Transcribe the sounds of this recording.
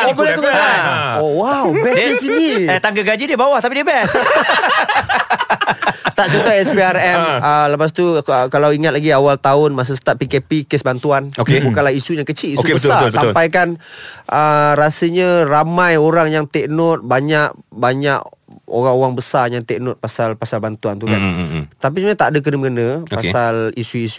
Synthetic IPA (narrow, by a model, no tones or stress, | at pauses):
obolat̪ukənaowawbɛisiniɛt̪aŋɡəɡad͡ʒidiəbawaht̪apidiəbɛs | t̪aʔt͡ʃɔt̪ɔɛsbiarɛmələpas̬t̪uəkalawiŋat̪̚laɡiawalt̪aʊnmas̬əs̬ə̥t̪ap̚pːikepikesbant̪uanokebukanlahisuɲakət͡ʃiliosukbəsabəsampajkanʔəɾasəɲəramãjoɾaŋjaŋt̪ɛk̚nɔt̪̚baɲaʔ̚baɲaʔo̰ɣaŋowaŋbəsajaŋt̪ɛk̚nʊt̪̚pasalpasalbant̪uant̪ukant̪ap̬ismaɲat̪aʔdək̬ənəməɡənəppasalisuisu